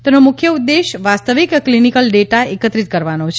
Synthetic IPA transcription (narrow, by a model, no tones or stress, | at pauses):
t̪enomʊkʰjəudd̪ːeʃʋast̪əʋikklinikəlɖeʈaekət̪ɾit̪̚kəɾʋanot͡ʃʰ